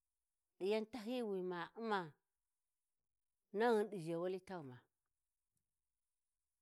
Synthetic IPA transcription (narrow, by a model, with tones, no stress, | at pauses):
ɗi˨ja˦nta˦ɦi˦˨wi˨ma˨u˦ma˨ | na˦ɣu˦n˦ɗi˨ʒa˨wa˦li˦ta˦˨ma˨